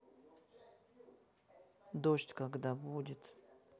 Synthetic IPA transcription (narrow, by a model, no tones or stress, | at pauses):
d̪oʃtʲkaɡd̪abudʲɪt̪